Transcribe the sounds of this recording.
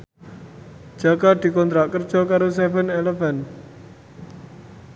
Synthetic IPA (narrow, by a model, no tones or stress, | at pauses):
d͡ʒ̥akad̪̥i̤kɔnt̪ɾaʔkərd͡ʒ̥ɔ̤kaɾosɛvənelefɛn